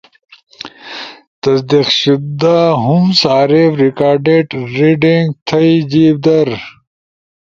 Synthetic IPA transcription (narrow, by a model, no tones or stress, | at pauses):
t̪ɐsd̪iqɕud̪aɦumsaːɾefɾikaːɾɖeʈɾiɖiŋɡt̪ʰɐid͡ʑiːbd̪ɐɾ